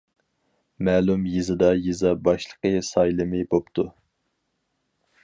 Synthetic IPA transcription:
mæːlumjizɨd̪ɑjizɑbɑʃlˠə̥qəsɑjlˠɨmɪbopt̪ʰu

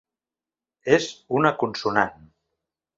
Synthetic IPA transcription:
ezunakunsunan

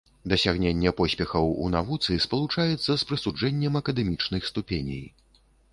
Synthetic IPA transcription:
d̪ɐsʲaɣnʲenʲːɛpɔsʲpʲɛxɐwṵnavut̪sɨspɐlˠut͡ʂajɛt̪sːɐspɾɨsud͡ʐɛnʲːɛmɐkɐd̪ɛmʲit͡ʂnɨxst̪upʲenʲḭj

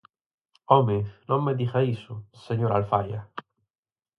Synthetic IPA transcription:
ɔminomːed̪ixaisʊseɲoɾalfaja

